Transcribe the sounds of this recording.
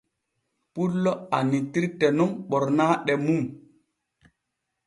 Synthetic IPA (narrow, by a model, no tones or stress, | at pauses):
pulːɔa̰nitiɾtɛnumɓɔɾnaːɗɛmum